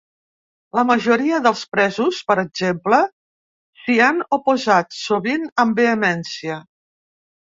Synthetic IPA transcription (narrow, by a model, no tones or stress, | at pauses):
ləməʒuɾiəðəlˠspɾɛzuspəɾəɡ̚zemplə | sianupuzat̪suβinəmbeəmɛnsiə